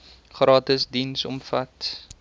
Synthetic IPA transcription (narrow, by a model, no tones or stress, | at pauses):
χrɑːtəsdinsɔ̰mfɐt